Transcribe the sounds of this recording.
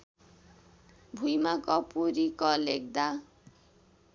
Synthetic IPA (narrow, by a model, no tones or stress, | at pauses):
bʱujmakʌpuɾikɔlek̚d̪a